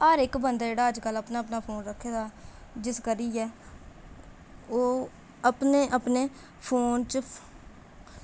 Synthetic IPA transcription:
aːɾɪkbənd̪aːd͡ʒeːɽaːəd͡ʒkəlːəpnaːəpnaːpʰoːnɾəkʰːeːd̪aːd͡ʒɪskəɾiːɛː | oː | əpneːʔəpneː | pʰoːnt͡ʃ

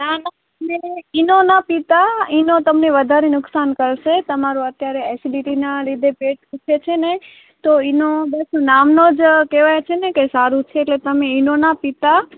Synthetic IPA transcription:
nana | meinonapit̪ainot̪əmneʋəd̪ʱaɾenʊksankəɾʃet̪əmaɾuət̪jaɾeɛsiɖiʈinalid̪ʱepeʈ̚kut͡ʃʰet͡ʃʰene | t̪oinobəsnamnod͡ʒkeʋajat͡ʃʰenekesaɾũt͡ʃʰeːʈlet̪əmeinonapit̪a

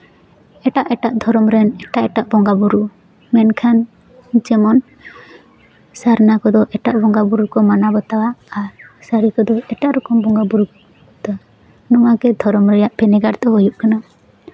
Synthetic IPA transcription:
ɛʈaʔɛʈaʔd̪ʱɔɾɔmɾɛnɛʈaʔɛʈaʔbɔŋɡabuɾu | mɛnkʰan | t͡ʃɛmɔn | saɾnakɔd̪ɔʔɛʈaʔbɔŋɡabuɾukɔmanabɔt̪awaːɾsaɾikɔd̪ɔɛʈaʔɾɔkɔmbɔŋɡabuɾu | t̪a | nɔŋaɡɛd̪ʱɔɾɔmɾɛjaʔpʰɛnɛɡaɾt̪ɔɦɔjuʔkana

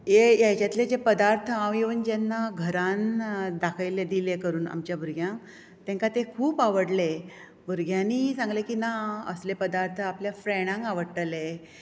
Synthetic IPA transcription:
jejat͡ɕjat̪led͡ʑepəd̪aɾt̪ʰəãʋiʋənd͡ʑanːaɡʱəɾand̪akʰəjled̪ilekəɾuːna̰mt͡ɕjabʱuɾɡʱjãŋ | t̪ɛ̃ŋkat̪ekʰuːpaʋəɽle | bʱuɾɡʱjãniːsãŋɡlekiːnaə̰slepəd̪aɾt̪ʰəapljafɾeɽ̃ãŋkaʋəɽʈəle

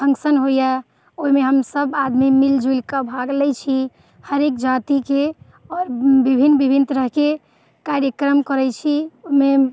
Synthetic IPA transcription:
sə̃ŋksənɦoja | oɦimeɦəmsəbad̪mimild͡ʒulkabʱaɡlɛt͡ʃʰi | həɾekd͡ʒat̪ike | ɔːɾbibʱinːbibʱint̪ɾəɦke | kaɾjəkɾəmkəɾɛt͡ʃʰiome

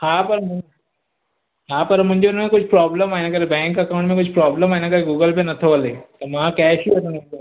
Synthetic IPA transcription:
hãːpɐɾm | ɦãːpɐɾmʊ̃ɲd͡ʒeʊnmẽkʊt͡ʃʰpɾɔːbləmaːnãkɐɾebɛ̃ːŋkɐkaːʊɳʈmẽkʊt͡ʃʰpɾɔːbləmaːnakɐɾeɡuːɡəlpenɐt̪ʰoɐleːt̪om̃kɛːʃiɐnneo

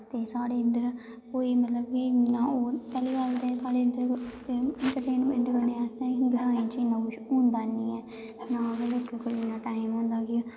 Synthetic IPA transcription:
t̪eːsaːɽeːɪnd̪əɾ | koːiːmət̪ləbkinãːoːpɛːliːkaːlt̪eːsaːɽeːənd̪əɾ | ɛɳʈəɾʈeːnmɛ̃ɳʈkəneaːst̪ẽɡ̪ʊɾaːĩt͡ʃɪnːãːkʊt͡ʃõːnd̪aːniːɛː | nãːɦəlokːekoiɪnãːʈaːɪmɦõːnd̪aːkɪ

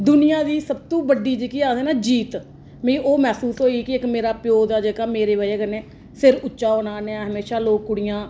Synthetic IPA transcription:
d̪ʊnɪjãːd̪iːsəbt̪õːbəɖiːd͡ʒekiːaːseːnaːd͡ʒiːt̪ | mĩʔoːmɛːsuːsɦoːikɪɪkmeːɾaːpɪjoːd̪aːd͡ʒeːkaːmeːɾeːbaːeːkəneː | sɪɾʊt͡ʃːʃaːoːnaːneaɦəmeːʃaːloːkːʊɽɪjãː

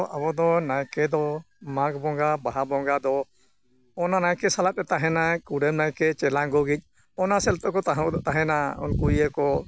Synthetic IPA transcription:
ʔabɔd̪ɔnajkɛd̪ɔ | maɡbɔŋɡabaɦabɔŋɡad̪ɔ | ɔnanajkɛsalat̪̚ˀɛt̪aɦɛnakuɾɛmnajkɛt͡ʃɛlaɡɔɡic̚ˀ | ɔnasɛlt̪ɔʔkɔt̪aɦt̪aɦɛnaṵnkuijəkɔ

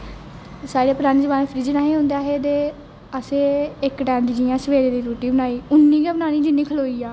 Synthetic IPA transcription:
saːɽeːpɾaːniːd͡ʒəbaːneːpʰɾiːd͡ʒənaːɦĩːɦõːnd̪aːɦeːd̪eː | əseːɪkʈɛ̃ːɳd͡ʒd͡ʒijãːsəʋeːɾeːd̪iːɾuːʈiːbənaːiːʊnːĩːɡaːbənaːnĩːd͡ʒɪnːiːkʰəloːiːaː

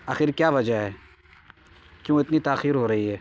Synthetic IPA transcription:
axɪɾkjaːʋɐd͡ʒəɦɛː | kjõːɪt̪nit̪aːxiːɾɦoːɾɐɦiɦɛː

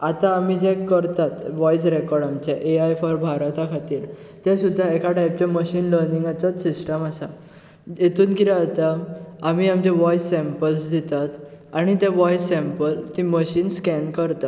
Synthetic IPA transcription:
at̪ãːmid͡ʑɛ̃əɾt̪at̪ʋɔjsɾekɔɾɖamt͡ɕeʔeajfɔɾbʱaɾat̪akʰat̪iːɾ | t̪ɛ̃sud̪ʱːaɛkaʈajp̚t͡ɕẽməɕiːnləɾnĩŋɡat͡sasisʈəmasa | jet̪ʰuːnkiɾaːt̪aːmiamt͡ɕɛ̃ʋɔjsːɛ̃mpəlsd̪ʱit̪at̪aɽ̃it̪̬ɛ̃ʋɔjsɛ̃mpəlt̪iməɕiːnskɛnkəɾt̪a

